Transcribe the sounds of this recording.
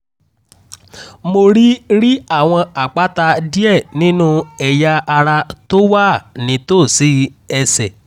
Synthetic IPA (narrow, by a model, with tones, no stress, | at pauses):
mo˧ɾi˦ɾi˦a˦˨w̃ɔ̃˧a˨k͡pa˨˦ta˧di˦ɛ˦˨nĩ˨˦nũ˦ɛ˨ja˧a˧ɾa˧to˦wa˦˨nĩ˨˧˦to˦˨si˨˦ɛ˧sɛ˨